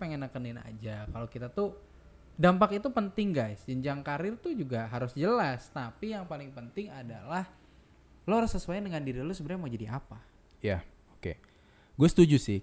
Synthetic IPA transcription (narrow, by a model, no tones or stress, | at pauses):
peŋɛnakənɪna̰d͡ʒakalokit̪at̪u | dampakit̪upənt̪ɪŋɡajsd͡ʒəɲd͡ʒaŋkaɾɪrt̪ud͡ʒuɡaɦaɾʊsd͡ʒəlast̪apijaŋpalɪŋpənt̪ɪŋada̰lah | loɾʊsəsuwajndəŋandiɾilosəbərɲamaud͡ʒadiʔapa | ja | okḛ | ɡuasə̥t̪ud͡ʒusɪh